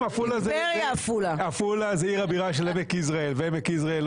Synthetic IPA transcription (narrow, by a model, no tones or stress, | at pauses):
afulazeʁjaːfulaafulazeiʁabiʁaʃelemekisʁaelveemekis̬ʁael